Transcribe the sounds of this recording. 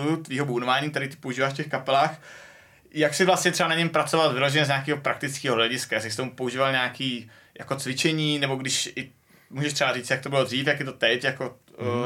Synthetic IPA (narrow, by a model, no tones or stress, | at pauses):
ut̪viːɦobuːnovaːɲiːkt̪ɛɾiːt̪ɪ̥pouʒiːvaːʃfcɛxkapɛlaːx | jaksɪvlastɲɛt̪rɛbanaɲɛmpɾat͡sovalvɪloʒɛɲɛzɲaːkiːɦopɾak̚t̪ɪt͡skiːɦoɦlɛɟɪskajaːsɪst̪omupo̞uʒiːvalɲakiː | jʔa̰ko̞t͡svɪt͡ʃɛɲiːnɛbo̞ɡdɪʃɪ | muːʒɛʃt̪rɛbaɾiːt͡sjak̚t̪obɪlo̞d̪riːfjakjɪt̪ot̪ɛcjako